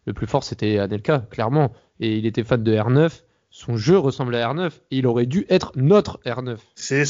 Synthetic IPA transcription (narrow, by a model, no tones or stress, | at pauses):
ləplyfɔʁset̪ɛanɛlkaklɛʁmɑ̃ | eilet̪ɛfand̪əɛʁnœf | sɔ̃ʒøʁəsɑ̃blaɛʁnœfeilɔʁɛd̪yʔɛt̪χnɔt̪χɛʁnœfsɛ